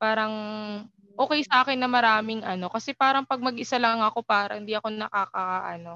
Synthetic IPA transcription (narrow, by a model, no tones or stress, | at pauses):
paːɾɐŋ | ʔoːkɛjsɐʔaːkɪnːɐmɐɾaːmɪŋʔɐno̞kɐsɛpaːɾɐŋpɐɡ̚mɐɡʔɪsalɐŋɐko̞paːɾɐʔɪnd̪iːʔɐko̞nɐkaːkɐʔɐno̞